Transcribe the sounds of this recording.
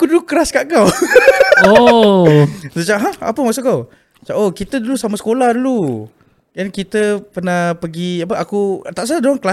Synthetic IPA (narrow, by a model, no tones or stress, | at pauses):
kuduukəɾaskaʔkaw | o | sət͡ʃaʔɦaha̰pəmaʔsuʔkaw | t͡ʃaʔokit̪ədulusamasə̥kolahdulu | jankit̪əpərnapəɡiapəakut̪aʔs̬adoaŋkəla